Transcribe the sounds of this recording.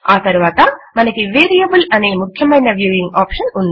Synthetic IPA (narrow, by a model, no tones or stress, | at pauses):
aːt̪ɐɾuʋaːt̪ɐmɐnɐkiʋeːɾijɐbulɐneːmukʰjɐmɐjnɐʋjuːʋiŋɡaːpʂɐnund̪